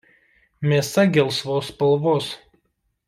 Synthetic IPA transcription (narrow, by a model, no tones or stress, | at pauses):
mʲeːsɐɡʲɛlˠsʋoːspɐlˠʋoːs